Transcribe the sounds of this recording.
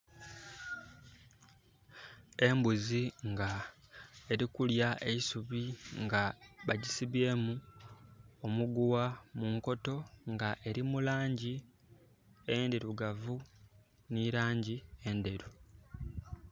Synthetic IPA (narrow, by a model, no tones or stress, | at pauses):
e̞mbuziŋɡa | e̞ɾikuljaʔe̞isuβiŋɡaβaɟisiβe̞ːmu | omuɡuwamuŋko̞to̞ŋɡaʔe̞ɾimulaːɲɟi | ende̞ɾuɡavu | niɾaːɲɟie̞nde̞ɾu